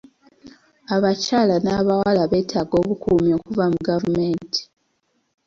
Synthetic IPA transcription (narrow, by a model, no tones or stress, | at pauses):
aβacaːlanaβawalaβe̞ːtʰaːɡo̞ːβukumio̞ːkuvamuɡavume̞ːnti̥